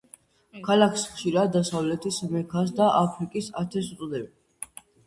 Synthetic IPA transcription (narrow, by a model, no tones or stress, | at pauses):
kʰalakʰsχʃiɾad̪ːasavlɛt̪ʰismɛkʰas̬d̪aʔapʰɾikʼisat̪ʰɛs̬t̪ʼd̪ɛbi